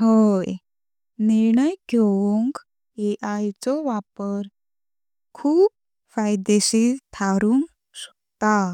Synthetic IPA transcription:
ɦoj | niɾɳəjɡʱeʋuŋk | eʔajt͡sɔʋapəɾ | kʰuːp̚ | fajd̪eɕit̪ʰaɾuŋk | ɕə̥ | t̪a

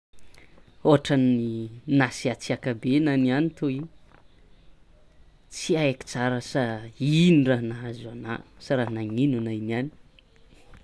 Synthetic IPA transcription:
oaʈ͡ʂaninasiat͡siakabenanianit̪oiɲ | t͡siaeki̥t͡saɾəsainiranaazana̰saɾaɦnaŋinunajniani̥

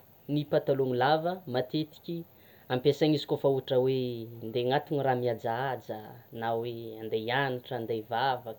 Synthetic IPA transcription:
nipat̪aluŋilavəmat̪et̪i̥kʲi | ampesaŋizi̥kofauʈ͡ʂəwend̪eŋat̪uniramiad͡zaad͡zənaweand̪ejaniʈ͡ʂənd̪ejvavak

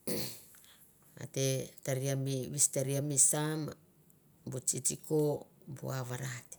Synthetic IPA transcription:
a̰te̞taɾiamiβisteɾiamisam | but͡ʃit͡ʃikobṵaβaɾati̥

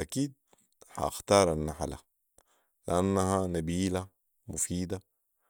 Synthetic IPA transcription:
ʔakiːd̪̚ | ha̰ʔaxt̪ɑːɾˤanːaħala̰ | lɪʔanːaɦanabiːla | mufiːd̪a

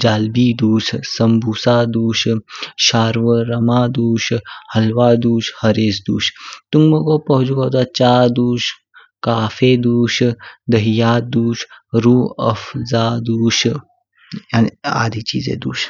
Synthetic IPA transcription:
d͡ʒaːlbiːd̪uːʃsɐmbʱuːsaːd̪uːʃʃaːɾʋəɾɐmaːd̪uːʃhɐlʋaːd̪uːʃhɐɾeːsd̪uːʃt̪uŋbɐɡopɐɦud͡ʒuɡoːt̪at͡ʃaːd̪uːʃ | kaːfeːd̪uːʃd̪ɐɦijaːd̪uːʃɾuːə̰fzaːd̪uːʃ | jaːnia̰ːd̪ʱiːt͡ʃiːzḛːd̪uːʃ

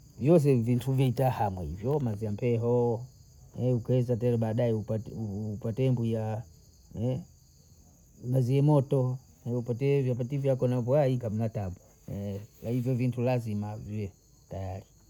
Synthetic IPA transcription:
vjɔs̬ɛvintʰuvɛtahamwɛhḭvjɔmaziam̩pɛɦɔ | ɛukɛzataɛɾɛɓaːɗajɛupaupatɛmbuja | ɛ | maziɛmɔtɔ | ɛupatɛvap̬ativjakɔnavwaikam̩nataba | ɛlahivjɔvintulazimaviɛ | tajaɾi

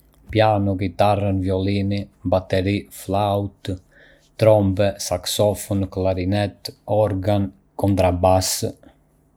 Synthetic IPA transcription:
pjanuɡit̪arənvjɔlinibat̪ɛɾiflawt̪ | t̪ɾɔmbɛsaksɔfunklaɾinɛt̪ɔɾɡan | kɔnt̪ɾabas

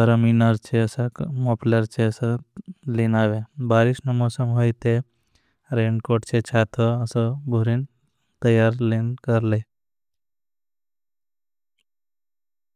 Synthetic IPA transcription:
əɾəminaɾt͡ʃʰeɐsamopləɾt͡ʃeɐsalinaːʋebaːɾiʃnomoːsəmɦoːjt̪e | ɾeɳɖkoʈt͡ʃʰet͡ʃʰaːt̪ʰoəsɔbʱuɾin | t̪əjaɾlenkəɾle

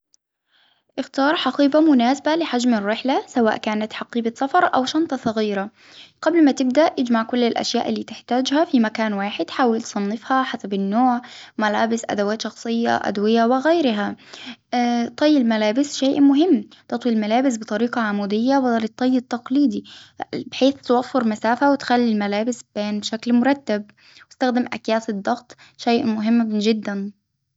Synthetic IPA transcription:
ʔɪxt̪ɑːɾˤħɑqiːbɑmʊnaːsabalɪħad͡ʒmɪrːɪħlasawa̰ːʔkaːnat̪ħɑqiːbɑsɑfɑɾˤʔawʃɑnt̪ˤɑsˤɑɣiːɾa | qablmat̪ɪb̚d̪aʔʔɪd͡ʒmaʕkʊlːɪlʔa̰ʃja̰ːʔɪlːiːt̪ɪħt̪aːd͡ʒhafimakaːnwaːħɪd̪ħaːwɪlt̪sˤɑnːɪfhɑħasabɪnːoːʕmalaːbɪsʔa̰d̪awaːt̪ʃɑxsˤɨjːa̰ʔa̰d̪wɪjawɪɣajɾɪɦa | t̪ˤːɑjːɪlmalaːbɪsʃaːʔmʊɦɪmːt̪ɑt̪ˤwilmalaːbɪs̬bɪt̪ˤɑɾiːqɑʕamuːd̪ɪjːawd̪lɪt̪ˤːɑjːɪt̪ːɑqliːd̪ibɪħeːθt̪awafːɪɾmasaːfawɪt̪xalːilmalaːbɪsbeːnbʃaklmʊɾˤɑt̪ːab | wɪst̪axd̪ɪmʔa̰kjaːt̪ɨd̪ˤːɑɣt̪ˤ | ʃajʔmʊɦɪmːʒɪd̪ːan

